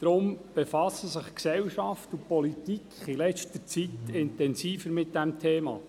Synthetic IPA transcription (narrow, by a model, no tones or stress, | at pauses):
d̥ɾʊmb̥efɑsəsɪχksɛwʃɑftupɔlitikχilɛt͡ʃtət͡sitɪntɛnsiːfəɾmɪt̚d̥æmt̪ʰeːmɑ̰ː